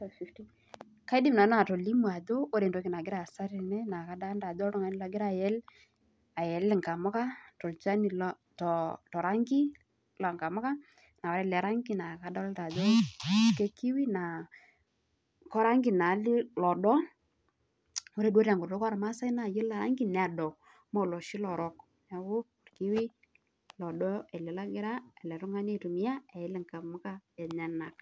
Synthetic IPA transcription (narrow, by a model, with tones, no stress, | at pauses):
fi˦fti˦ | ka˦ɪ˦dɪ˦mna˨na˨tɔ˨li˦mwa˨ðo˦ʔo˦ɾe˨ndo˨˦kɪ˨na˨ɡɪɾa˨sa˦ɾɪ˨nɛ˦na˨ka˦da˦nda˨ðɔ˦tɔ˦ŋa˨˦nɪ˦la˨ɡɪ˦ɾa˨jɛ˦l | a˨jɛ˨lɪ˨ŋɡa˨mɔ˦ka˦tɔ˨lt͡ʃa˦ni˨l | tɔ˨tɔ˨ɾa˦ŋɡɪ˦ | la˨ŋɡa˨mɔ˦ka˦ | na˨waɾɛ˦lɛ˨ɾa˦ŋɡɪ˦na˨ka˨˦dɔ˦lda˨ðo˦ke˦ki˦wi˦na˨ | kɔ˦ɾa˦ŋɡi˨na˨˦li˦lɔ˨dɔ˦ | o˦ɾe˦do˦ɾa˨ŋɡʊ˨rdo˦ka˦ɾma˦sa˦i˦na˨jɪ˦la˨ɾa̰˦ŋɡi˦n˨a˨dɔ˨ | mɔ˦˨lɔ˨ʃi˦lɔ˨ɾɔ˦k | na˨kʊ˦ʊ˨rki˦wi˦ | lɔ˨dɔ˦ɛ˨le˨la˦ɡɪ˦ɾa˦ɛ˨lɛ˨ɾʊ˦ŋa˦ne˦tu˨mɪ˦ja˦ɛ˨ɪ˦lɛ˨ŋka˨mʊ˦ka˦e˨ɲa˨na˨k